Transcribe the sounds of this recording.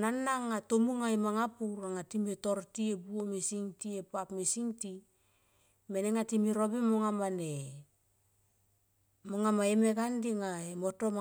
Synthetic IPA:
nanːaŋːatomuŋaemaŋapuɾaŋatimetoɾtiebuomisiŋtiepapmisiŋti | meneŋatimiɾobemoŋamane | moŋamaemeɡandiŋaemotoma

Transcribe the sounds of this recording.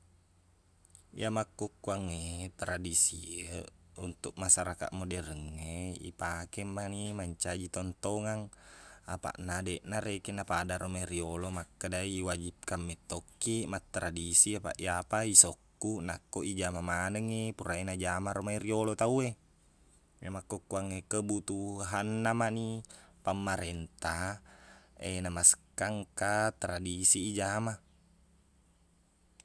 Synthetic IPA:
ijamakːokːuaŋːet̪ɾadisiəunt̪uk̚masaɾaka̰ʔmodɛrəŋːeḭpakemːanimaɲt͡ʃad͡ʒit̪ɔnt̪oŋaŋapa̰ʔnadeʔnaɾekenapadaɾomairiolomakːadaiːwad͡ʒip̚kamːɛt̪ːokːimat̪ːɾadisiapa̰ʔiapaisɔkːunakːoʔid͡ʒamamanəŋepuɾaenad͡ʒamaɾomairiolot̪aue | mamakːokːuaŋekəbut̪uɦanːamanipamːaɾɛnt̪a | enamaskaŋkat̪ɾadisiːd͡ʒama

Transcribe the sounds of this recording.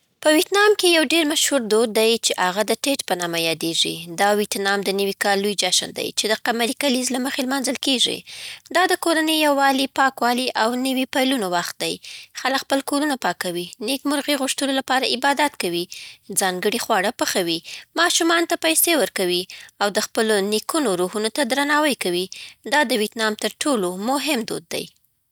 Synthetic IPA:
pəwjet̪nɑmkejawɖeɾmaʃhuɾd̪od̪̚d̪ːajt͡ʃeʔaɣad̪əʈeʈpənɑmajɑd̪eʐḭd̪ɑwit̪nɑmd̪ənəwikɑlːujd͡ʒaʃə̰nd̪a̰jt͡ʃed̪əqamaɾikalizlaməxelmanzəlkeʐḭd̪ɑd̪əkoɾanəjːawːɑlipɑkwɑliʔawnəwipɑjlunowaxt̪̚d̪ajxaləkxpəlkoɾunapɑkawinekmʊɾɣiɣʊʂt̪unolapɑɾaʔɪbɑd̪at̪kawizɑŋɡəɽixwɑɽapəxawimɑʃumɑnot̪apajsewəɾkawiawd̪əxpəlonekunoɾuɦunot̪ad̪ɾanɑwəjkawid̪ɑd̪əwet̪nɑmt̪əɾʈʰolomʊɦɪmd̪o̰d̪̚ːa̰j

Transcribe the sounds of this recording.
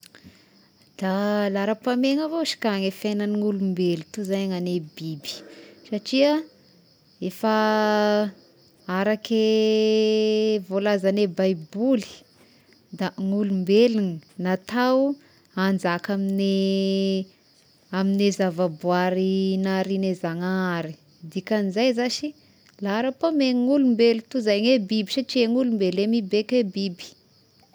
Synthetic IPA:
d̪̥alaɾəpameŋavoʃi̥kaŋefenaniŋulumbelit̪uzaɲaŋanebibi̥saʈ͡ʂiə | efa | aɾake | volazanebajbuli̥ | d̪aŋulumbelininat̪aw | and͡zakamine | aminezavabuaɾinaɾinezaŋaɾi | d̪ikʲanizajzaʃi | laɾapameŋulumbelit̪uzajɲebibiʃaʈ͡ʂieŋulumbelemibekebibi̥

